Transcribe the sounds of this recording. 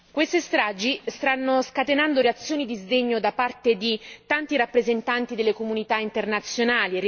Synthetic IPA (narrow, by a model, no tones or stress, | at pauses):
kwest̪est̪ɾaːd͡ʒist̪anːoskat̪enand̪oɾeat̪sːjoːnid̪izd̪eɲːod̪apart̪ed̪it̪ant̪iɾapːɾezent̪ant̪id̪elːekomunit̪aint̪ernat̪sːjonaːli